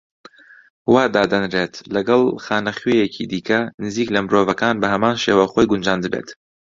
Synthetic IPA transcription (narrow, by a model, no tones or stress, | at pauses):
waːd̪aːd̪ɐnreːt̪lɐɡɐlˠxaːnɐχɥejecʰid̪iːkɐnɨziːklɐmɨɾoːvɐkaːnbɐhɐmaːnʃeːwɐxoːjɡʊnd͡ʒaːnd̪ɨbḛːt̪